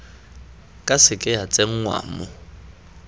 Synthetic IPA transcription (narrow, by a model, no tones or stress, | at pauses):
kʼasɪkʼɪat͡sʼeŋ̩ŋwa̰ːmʊ